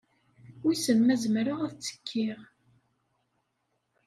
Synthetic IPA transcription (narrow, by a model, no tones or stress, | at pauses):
ʊsəmmæzmɾaʁæθt͡sːə̥kʰːiʁ